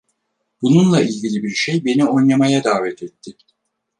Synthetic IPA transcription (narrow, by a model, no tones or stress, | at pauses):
b̥ununlˠailʲɟilʲibiɾʃe̞jbe̞nio̞jlˠamajad̪aːvɛt̪ʰɛt̪ʰːɪ